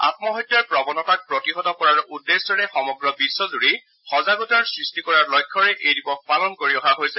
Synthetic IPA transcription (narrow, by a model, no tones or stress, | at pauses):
a̰t̚mɔɦɔtːjaɹpɹɔbɔnɔtak̚pɹotiɦɔtɔkɔɹaɹʔudːesdɔɹɛxɔmɔɡɹɔbisːɔzuɹi | xɔzaɡutɔɹsɹistikɔɹaɹlɔjkʰːɔɹɛʔejdipɔk̚palɔnkoɹiɔɦaɦojsɛ